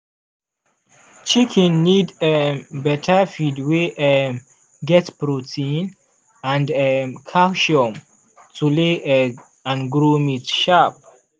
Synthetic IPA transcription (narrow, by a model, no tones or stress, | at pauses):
t͡ʃikʰɛ̃nːidɛbɛtʰəfidweʔɛ | ɡɛtpɹotʰĩn | ãndɛkʰaʃiɔm | tule | ãnɡɹumitʃap̚